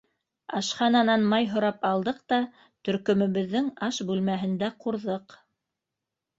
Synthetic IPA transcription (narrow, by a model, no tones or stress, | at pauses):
ɑ̰ʃχɑnɑnɑnmɑjɦŏɾɑpɑlˠd̪ɤq̚t̪ɑ | t̪ɵ̆ɾkɵ̆mɘ̆βɘ̆ðːɘŋɑʃbʉlmæɦɘ̆nd̪æquɾðɤq